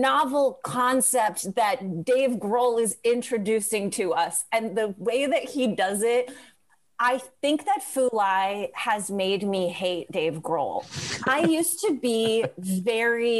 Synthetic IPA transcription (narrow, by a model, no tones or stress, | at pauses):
nɑvl̩ˠkʰɑ̃nsɛp̚t̚ðɨt̚d̥eɪvɡɹoʊlˠɪzɪ̃nt͡ʃɹ̥ɨdʉsɪ̃ŋtʰɨʌsɨ̃nðɨweɪðɨt̚hidʌzɪt̚ | ʔaɪθɪ̃ŋk̚ðɨtfulaɪɨzmeɪd̚miheɪt̚d̥eɪvɡɹo̰ʊlˠʔaɪjʉstʰɨbivɛɹi